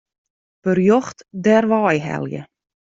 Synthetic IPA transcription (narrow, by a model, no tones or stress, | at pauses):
pərjɔxtdɛrʋɑːjɦɛ̰ljə̰